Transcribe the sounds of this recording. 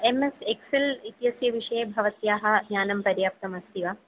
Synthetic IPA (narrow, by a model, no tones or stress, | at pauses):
emesekselit̪jɐsjɐʋiʂɐjebʱɐʋɐt̪jaːɦɐ̆ɡɲaːnɐmpɐɾjaːp̚t̪ɐmɐst̪iʋa